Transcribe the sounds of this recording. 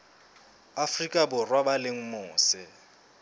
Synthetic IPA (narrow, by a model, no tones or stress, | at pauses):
afrikʼabʊrwabaleŋ̩mʊːsɪ